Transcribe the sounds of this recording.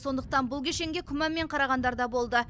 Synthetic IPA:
so̞nd̪əq̚t̪ɑnbʊlˠkʲʰeʃe̞ŋɡʲe̞kʲʰʏmæmːe̞ɴqʰɑɾɑʁɑnd̪ɑɾd̪ɑbo̞lˠd̪ə

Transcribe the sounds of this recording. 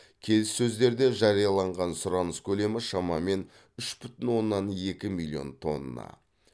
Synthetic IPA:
kʲʰe̞lɪsːɵzd̪e̞ɾd̪e̞ʒɑɾijɑlˠɑɴʁɑnsʊɾɑnəskʲʰɵle̞mɪʃɑmɑme̞n | ʏʃbʏt̪ɪnwo̞nːɑne̞kʲɪmilʲˠːio̞̰nt̪ʰo̞̰nːɑ̰

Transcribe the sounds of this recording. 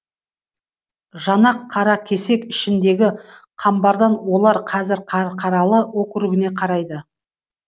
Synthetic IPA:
ʒɑnɑqʰːɑɾɑkʲʰe̞se̞kɪʃɪnd̪e̞ɡʲɪqʰɑmbɑɾd̪ɑnwo̞lˠɑɾqʰɑzɪɾqʰɑqʰɑɾɑlˠəwo̞kʲʰʏɾɪɡʲɪne̞qʰɑɾɑjd̪ə

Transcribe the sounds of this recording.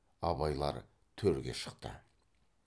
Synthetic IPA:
ɑbɑjlˠɑ̰ɾ | t̪ʰɵɾɡʲe̞̰ʃə̥qt̪ə̰

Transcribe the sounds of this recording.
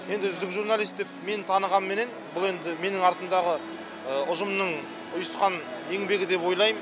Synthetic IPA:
je̞nd̪ɪʒʏzd̪ɪkʒuɾnalʲˠijst̪d̪e̞p̚me̞nt̪ʰɑnəʁɑnmːe̞ne̞nbʊlˠe̞nd̪ɪme̞nɪŋɑɾt̪ənd̪ɑʁə | əʊʒəmnəɴ | ʊjəsqɑne̞ŋbe̞ɡʲɪd̪e̞pwo̞jlˠɑjm

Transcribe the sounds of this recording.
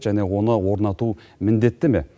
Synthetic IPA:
ʒænewo̞nəwo̞ɾnɑt̪u | mɪnd̪e̞t̪ːɪme̞̰

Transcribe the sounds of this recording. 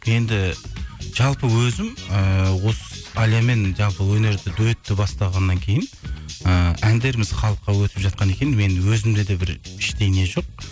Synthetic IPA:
je̞nd̪ɪ | ʒ̥ɑlˠpəwɵzɪməwo̞səɑljame̞nʒɑlˠpəwɵne̞ɾd̪ɪd̪ɵt̪ːɪbɑst̪ɑʁɑnːɑŋkʲʰe̞jɪnəænd̪e̞ɾɪmɪzχɑlˠəqːɑwɵt̪ɪpʒɑt̪̚qɑne̞kʲe̞nɪnme̞nwɵzɪmd̪ed̪e̞bɪɾɪʃt̪e̞jne̞ʒo̞q̚

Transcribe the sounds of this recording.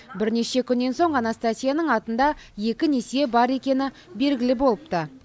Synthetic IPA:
bɪɾne̞ʃe̞kʲʰʏnːe̞nso̞ɴʁɑnɑst̪at̪ʲijanəɴɑt̪ənd̪ɑje̞kʲɪne̞sjebɑɾe̞kʲe̞nɪ | be̞lɡʲɪlɪbo̞lˠəpt̪ə

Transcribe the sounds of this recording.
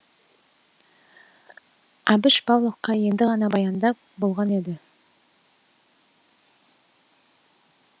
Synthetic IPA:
ɑbɪʃbɑwlˠoqːɑje̞nd̪ɪʁɑnɑbɑjɑnd̪ɑp | bo̞lˠʁɑne̞d̪ɪ

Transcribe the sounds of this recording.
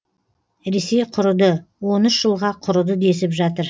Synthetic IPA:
ɾe̞se̞jqʰʊɾʊd̪əwo̞nʏʃʒ̥əlˠʁɑqʰʊɾʊd̪əd̪e̞sɪpʒɑt̪əɾ

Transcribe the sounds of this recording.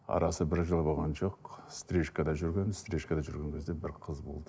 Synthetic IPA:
ɑ̰ɾɑsəbɪɾʒəlˠbolˠʁɑnʒo̞qst̪ɾʲeʃkɑd̪ɑʒʏɾɡʲenɪzst̪ɾʲeʃkɑd̪ɑʒʏɾɡʲe̞ŋkʲʰe̞zd̪e̞bɪɾqʰəzbo̞lˠd̪ə

